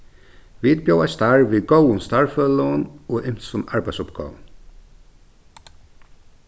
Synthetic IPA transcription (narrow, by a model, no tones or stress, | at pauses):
ʋid̪̚bjowast̪aɹʋiðɡowʊnst̪aɹfœːləʊnɔʔɪm̥sʊnaɹbaɪjtsʊpɡa̰ːʋn